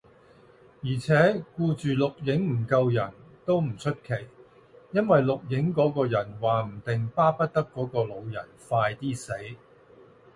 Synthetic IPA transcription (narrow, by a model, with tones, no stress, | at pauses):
jiː˨˩t͡sʰɛː˨˥kuː˧t͡ʃyː˨lʊ˨k̚jɪ˨˥ŋm̩˨˩kɐ˧wjɐ˨˩nt̪o˥wm̩˨˩t͡ʃʰɵ˥t̚kʰe˨˩j | jɐ˥nwɐ˨jlʊ˨k̚jɪ˨˥ŋkɔː˨˥kɔː˧jɐ˨˩nwaː˨m̩˨˩t̪ɪ˨ŋpaː˥pɐ˥t̚t̪ɐ˥kːɔː˨˥kɔː˧lo˨˧wjɐ˨˩nfaː˧jt̪iː˥se˨˥j